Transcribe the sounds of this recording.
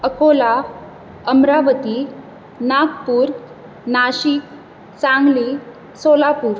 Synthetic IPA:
əkola | əmɾaʋət̪i | nak̚puːɾ | naɕik | sãŋɡli | solapuːɾ

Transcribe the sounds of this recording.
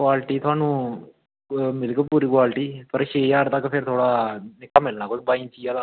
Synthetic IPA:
kwaːlʈiːt̪ʰʊaːnũː | mɪlkəpuːɾiːkwaːlʈiːpəɾʃeːjaːɾt̪əkpʰɪɾt̪ʰoːɽaːɪkːamːɪlnãːkot̪baːɪ̃nsʰiːala

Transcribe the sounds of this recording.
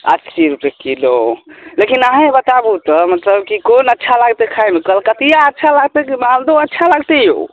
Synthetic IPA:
ə̰tsiɾupjekilolekinaɦẽbət̪abut̪ɔmət̪ləbkikonətːʃʰalaɡt̪ekʰajmekəlkət̪ijaətːʃʰalaɡt̪ekimãld̪oətːʃʰalaɡt̪ejo̰

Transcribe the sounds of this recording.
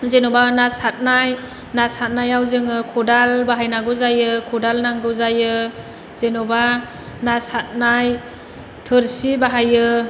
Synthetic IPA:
zenɔbanasat̚naj | nasat̚najawzɯŋɯkʰɔdalbaɦajnaɡɯzajɯkʰɔdalnaŋɡɯwzajɯ | z̥enɔba | nasat̚naj | tʰɯɾsibaɦajɯ

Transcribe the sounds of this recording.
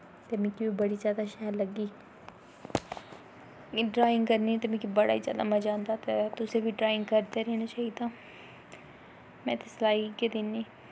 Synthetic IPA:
t̪emĩːkibibəɽiːt͡ʃaːd̪aːʃɛːɾləɡiː | ɖɾaːɪ̃ŋɡkəɾniːt̪emĩkibəɽa̰iːt͡ʃa̰ːd̪a̰ːmɛ̃ːd͡ʒãːnd̪aːt̪et̪ʊsẽːbiːʈɾaːɪŋɡkəɾd̪eːɾɛːnaːt͡ʃaːɦid̪ãː | mɛ̃ːt̪eslaːiked̪ɪnːeː

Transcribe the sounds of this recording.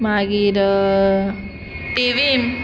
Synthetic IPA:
maɡiɾ | tiʋim

